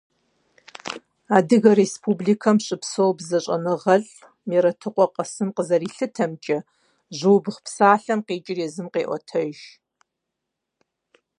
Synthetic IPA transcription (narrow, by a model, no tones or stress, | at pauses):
aːdɨɣɐɾespʰuːbliːkʰɐmɕʼɨpsowbzɐɕʼɐ̰nɨʁɐɬ | meɾɐtʰɨqʷʼɔqɐsɨmqəzɐriːɬɨtʰɐmt͡ʃʼɐ | ʑuːbɨχpsaːɬɐmqeːt͡ʃʼɪrjɛzɨmqḛːʔʷɔ̰tʰɐʒ